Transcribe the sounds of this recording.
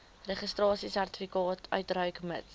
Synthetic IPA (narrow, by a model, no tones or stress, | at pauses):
rɛχistrɑːsisærti̥fikɑːtʰœ̰ɥt̚rœɥkmə̰t